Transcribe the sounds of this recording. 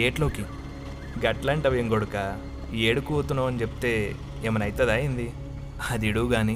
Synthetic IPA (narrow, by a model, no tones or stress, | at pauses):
eːʈlo̞ːki | ɡɐʈlaːɳʈɐʋɐjeŋɡɔɽukɐ | eːɽukuoːt̪unːaːmɐnit͡ʃepi̥t̪e̞ː | emɐnɐjt̪ɐd̪aːjind̪i | ɐd̪iɽuːɡaːni